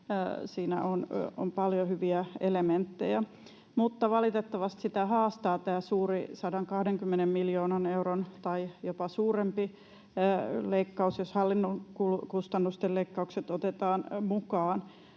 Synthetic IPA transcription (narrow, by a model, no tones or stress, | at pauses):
siːnæ̰ʔono̰mpɑljohyʋiæelement̪ːejæ | mut̪ːɑʋɑlit̪et̪ːɑʋɑst̪sit̪æhɑːst̪ɑːt̪æːsuːrisɑdɑŋkɑhdeŋkymːenemmiljoːnɑneuront̪ɑijopɑsuːrempi | leikːɑusjoshɑlːinːonkulkust̪ɑnːust̪elleikːɑukset̪ot̪et̪ɑːnmukɑːn